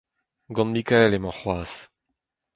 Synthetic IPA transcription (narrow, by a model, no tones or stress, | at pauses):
ɡɔ̃nmikaɛlemɑ̃χwaːs